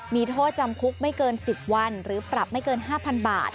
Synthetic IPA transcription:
miː˧t̪ʰoː˥˩t̪̚t͡ɕa˧mkʰu˦˥k̚ma˥˩jkɤː˧nsi˨˩p̚wa˧nɾɯː˩˦pɾa˨˩p̚ma˥˩jkɤː˧nɦaː˥˩pʰa˧nbaː˨˩t̪̚

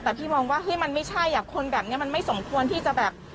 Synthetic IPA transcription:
t̪ɛː˨˩p̪ʰiː˥˩mɔː˧ŋwaː˥˩ɦɯ˦˥˩jma˧nma˥˩jt͡ɕʰa˥˩jːaː˨˩kʰːo˧nbɛː˨˩p̚ni˥ɐma˧nma˥˩jso˩˦mkʰu˧ənt̪ʰiː˥˩t͡ɕa˨˩bɛː˨˩p̚

